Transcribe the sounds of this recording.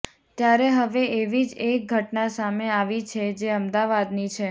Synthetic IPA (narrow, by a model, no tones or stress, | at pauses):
t̪jaɾeɦəʋeʔeʋid͡ʒek̚ɡʱəʈnasameaʋit͡ʃʰed͡ʒeəmd̪aʋad̪nit͡ʃʰe